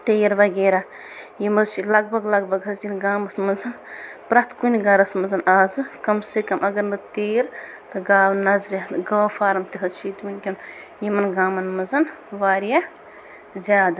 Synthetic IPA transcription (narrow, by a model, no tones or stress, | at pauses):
t̪eːɾʋɐɡeːɾa | jimɐzt͡ʃʰilɐɡ̚bʱɐɡlɐɡbʱɐɡɦɐsd͡ʒinɡaːmɐsmɐnzʰɐnpɾɐt̪kunʲiɡɐɾɐsmɐzɐnaːzɨkɐmsekɐmɐɡɐɾnɐt̪eːɾ | t̪ɨɡaːwnɐzɾjaɡɐːfʰaːɾɐmt̪iɦɐt͡ʃʰiːt̪munʲkʲin | jimɐnɡaːmɐnmɐzɐnʋaːɾja | zʲaːd̪ɐ